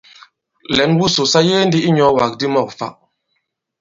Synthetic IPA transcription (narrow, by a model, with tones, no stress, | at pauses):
lɛ˨˦nwu˦so˨sa˦je˦ndi˦i˦ɲɔ˨˦wa˨k̚di˦mɔ˦˨k̚fa̰˨ʔ